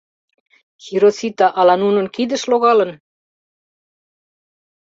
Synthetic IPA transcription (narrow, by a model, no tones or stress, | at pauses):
xiɾosit̪ɑʔɑlɑnunŏnkid̪ɘ̆ʃloɣɑlɤ̆n